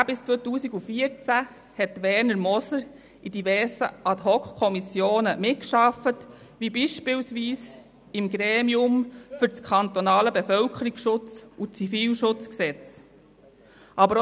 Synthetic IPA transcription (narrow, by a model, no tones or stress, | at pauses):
bɪst͡sʋɔt̪uːsiɡufiəɾt͡sæ | hɛtːʋɛɾnəɾmɔsəɾ | ʔid̪ivɛɾsə̰ʔɑt̪ɦɔkχkʰːɔmisjoːnəmɪt̚kʃɑfət | ʋibiʃpɪlsʋiːs | ɪmɡɾeːmiʊmfʏɾt͡skʰɑnt̪ɔnɑːləbefœlkʰəɾiɡsʃʊt͡sut͡sifiːlʃʊt͡sksɛt͡s | ʔɑbəɾ